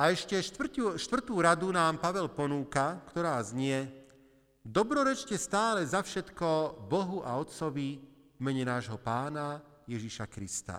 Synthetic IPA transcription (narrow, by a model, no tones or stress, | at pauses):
aɛʃcɛʃt̪uʃt̪ʋr̩t̪uːɾad̪unaːmpaʋɛlpɔnuːkakt̪ɔɾaːzɲɪɛ | d̪ɔbɾɔɾɛt͡ʃcɛst̪aːlɛzafʃɛt̪kɔbɔɦuʔaɔt̪t͡sɔʋi | vmɛɲɛnaːʒɦɔpaːnajɛʒiʃakɾist̪a̰